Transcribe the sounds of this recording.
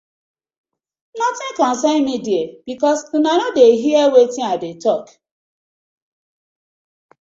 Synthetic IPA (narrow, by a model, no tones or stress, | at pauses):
nɔtɪ̃ŋkãn̩senmidieb̥ikɔs̩nanodeɦiɛwetɪ̃aɪdetɔk